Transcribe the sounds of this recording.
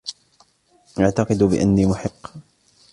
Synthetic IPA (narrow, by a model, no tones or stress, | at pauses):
ʔaʕt̪ɑqɨd̪bɪ̰ʔa̰nːiːmʊħɪqː